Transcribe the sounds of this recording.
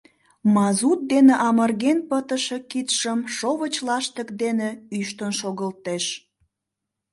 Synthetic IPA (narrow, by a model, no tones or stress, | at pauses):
mɑzut̪̚d̪eneʔɑmərɣenpət̪əʃekit̪ʃəmʃoβət͡ɕlɑʃt̪əkd̪eneyʃt̪ənʃoɣəlt̪eʃ